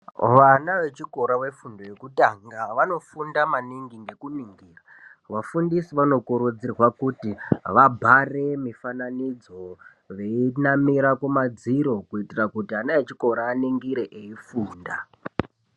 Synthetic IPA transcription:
ʋanaʋe̞t͡ʃiko̞ɾawe̞fundo̞jekutaŋɡaʋano̞fundamaniŋɡiŋɡe̞kuniŋɡiːra | ʋafundisiʋano̞kuɾud͡zirwakutiʋabʱare̞mifananid͡zo̞ | ʋe̞inamiɾakumad͡ziɾo̞kuitirakutianaet͡ʃiko̞ɾaːniŋɡiɾeʔeifuːnda̰

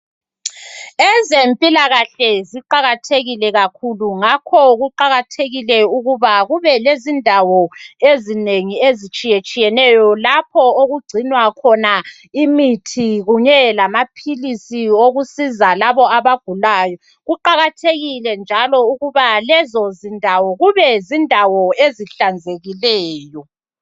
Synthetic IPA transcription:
ɛzempʼilaɣaɬɛziǃaɣatʰeɣilɛɣakʰuluŋakʰɔɣuǃaɣatʰeɣilɛuɣuβaɣuβɛlezindʱawɔezineŋiezit͡ʃʼijet͡ʃʼijɛnɛjɔlapʰɔoɣuɡ͡ǀ̥ʱinwakʰɔna | imitʰiɣuɲɛlamapʰilisioɣusizalaβɔaβaɡ̥ʱulaːjɔ | ɣuǃaɣatʰeɣilɛnd͡ʒʱalɔuɣuβalɛzɔzindʱawɔɣuβɛzindʱawɔeziɬand͡zʱeɣilɛːjɔ

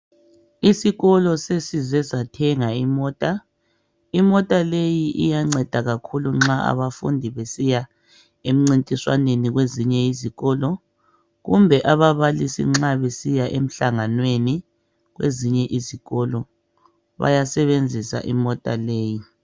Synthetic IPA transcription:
isiɣɔlɔsesizɛzatʰɛŋaimɔːtʼa | imɔtʼalejiʔijaŋ͡ǀɛd̥ʱaɣakʰuluŋ͡ǁaa̰βafṵndʱiβesija | em̩ŋ͡ǀintʼiswaneniɣweziɲɛiziɣɔːlɔ | ɣumbʱɛʔaβaβalisḭŋ͡ǁaβesijaʔem̩ɬaŋanweni | ɣwḛziɲɛʔiziɣɔlɔ | βa̰jasɛβend͡zʱisa̰ʔḭmɔtʼa̰leːji

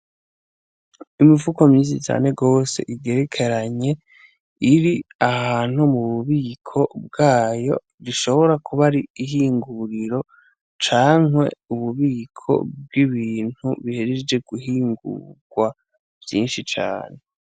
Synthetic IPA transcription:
imivukomizit͡ʃa̰ːne̞ɡo̞ːse̞̰ʔiɡe̞ɾekʰe̞ɾaɲe̞ | iɾiahaːn̥humuβuβiːkʰo̞b̚ɡaːjo̞ | ɾiʃo̞βo̞ɾakʰuβaɾiiɦiːŋɡuɾiɾo̞ | t͡ʃaːŋwe̞uβuβiːkʰo̞̰b̚ɡiβiːn̥hṵβiheɾed͡ʒe̞ɡuɦiːŋɡṵɡ̥wa | v̥jiːnʃit͡ʃa̰ːne̞

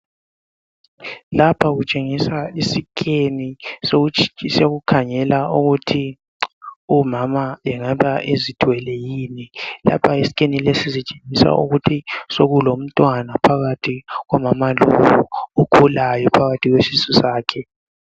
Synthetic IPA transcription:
lapʰaɣut͡ʃʼeŋisaisikʰʼenisseɣukʰaŋɛlauɣutʰi | umamajɛŋaβaʔezitʼwɛlɛjiːnila̰pʰaisi̥kʰʼenilesizit͡ʃʼe̥ŋisa̰ṵɣutʰisoɣulom̩tʼwanapʰaɣatʰiɣɔmamalo̰wuukʰulajɔpʰaɣatʰiɣwesisusaːkʰɛ

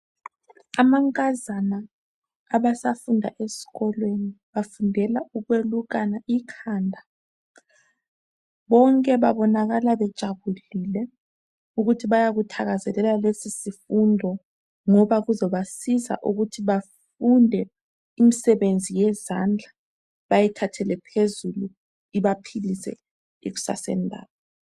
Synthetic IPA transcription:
amaŋkʼazanaː | βasafundʱa̰ʔesi̥ɣɔlweniβafundʱɛlauɣweluɣ̬anaikʰaːndʱa | βɔŋkʼɛβaβɔnaɣalaβɛd̥ʒ̥ʱaβuliːlɛ | uɣutʰiβajaɣutʰaɣazɛlɛlalesisifundʱɔ | ŋɔβaɣuzɔβasiza̰ʔuɣutʰiβaf | undʱɛ | imisɛβend͡zʱijɛzand͡ɮʱa | βajitʰatʰɛlɛpʰezulu | iβapʰilisɛ̰ | iɣ̬u̥sa̰sɛ̰ndʱa̰ːɓɔ

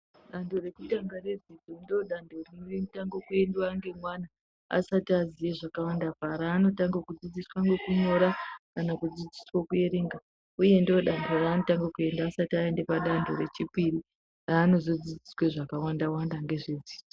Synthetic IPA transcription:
ɗando̞ɾe̞kutaŋɡare̞d͡zid͡zondoɗandʱorinoemutaŋɡokue̞ndwaŋɡe̞mwana | a̰satiazijeʐakawandapaɾaːno̞taŋɡakud͡zid͡ziswaŋɡekuɲo̞ɾakanakud͡zid͡ziswokue̞ɾeːŋɡa | uje̞ndioɗandʰʱo̞raːno̞taŋɡakue̞ndaːsatiae̞ndepaɗandʱo̞̰ɾe̞t͡ʃipiri | raːno̞zod͡zid͡zisweʐakawandawandaŋɡe̞ʐed͡ziːd͡zo

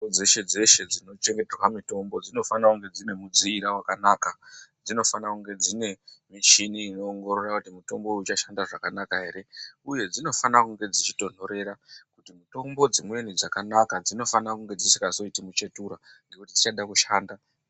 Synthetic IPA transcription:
d͡zeʃe̞d͡ze̞ʃe̞d͡zino̞t͡ʃe̞ŋɡeterwamito̞mbo̞d͡zino̞fanakuŋɡe̞d͡zine̞mud͡ziːɾawakanaːkad͡zino̞fanakuŋɡe̞d͡zine̞miʃiniːno̞ːŋɡo̞ɾo̞rakutimuto̞mbo̞ut͡ʃaʃandaʐakanakaɦe̞ːɾe̞uje̞d͡zino̞fanakuŋɡe̞d͡zit͡ʃi̥to̞n̥̤o̞ɾe̞ɾakutimito̞mbo̞d͡zimwe̞nid͡zakanakad͡zino̞fanakuŋɡe̞d͡zisikaso̞itimut͡ʃe̞tuɾaŋɡe̞kuti̥ti̥t͡ʃaɗakuʃaːnda

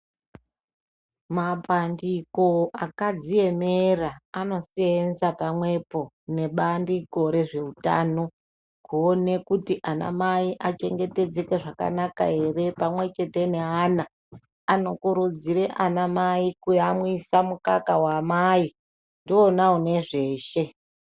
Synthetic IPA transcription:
mapandiko̞ʔakad͡zie̞me̞raːno̞sienzapamwe̞po̞ | ne̞ɓandiɡʱo̞ɾe̞ʐe̞uta̰ːno̞ | kuːne̞kutiʔana̰maiʔat͡ʃe̞ŋɡe̞te̞d͡zekeʐaka̰naka̰e̞re̞pamwe̞t͡ʃe̞te̞ne̞aːna | ano̞kuɾud͡ziɾeʔanamaikujamwisamuka̰kawamai | ndionaune̞ʐe̞ːʃe̞

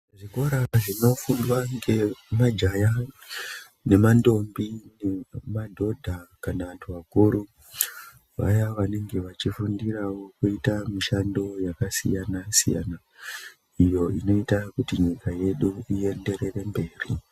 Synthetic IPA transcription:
ʐiko̞ɾaʐino̞fundwaŋɡe̞mad͡ʒaja | ne̞mando̞mbinemadʱo̞dʱakanaʋantʰuʋakuɾu | ʋa̰jaʋane̞ŋɡe̞ʋat͡ʃifundirawo̞kuitamiʃando̞jakasḭjanasḭja̰na | ijo̞ino̞itakutiɲikaje̞ɗuie̞nde̞ɾe̞re̞mbe̞ːrḭ

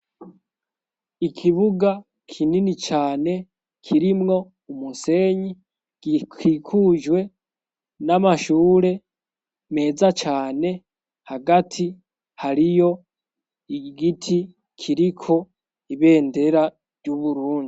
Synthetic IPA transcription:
ikʰiβuɡa | kʰininit͡ʃaːne̞ | kʰiɾimŋo̞ | umuse̞ːɲi | kʰikʰuʒɡwe̞ | namaʃuːɾe̞ | me̞ːzat͡ʃaːne̞ | haɡatʰi | haɾijo̞ | iɡitʰi | kʰiɾikʰo̞ | iβe̞ːnde̞ɾa | ɾɟuβuɾuːndi

